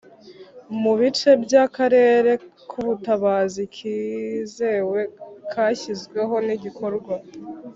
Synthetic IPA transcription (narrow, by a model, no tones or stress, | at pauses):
muβit͡ʃe̞bjakaɾe̞ːɾe̞kʰuβutaβaːzikʰiːze̞we̞kʰaːçizɡwe̞ɦo̞niɟikʰo̞ɾɡwa